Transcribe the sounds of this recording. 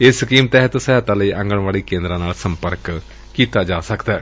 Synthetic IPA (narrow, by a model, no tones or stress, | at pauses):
ɪskiːmt̪ɛːɦət̪səjaːt̪ãːləiːʔə̃ŋɡəɳʋaːɭiːkẽːnd̪ɾãːnaːlsəmpəɾk | kiːt̪aːd͡ʒaːsəkd̪ɛː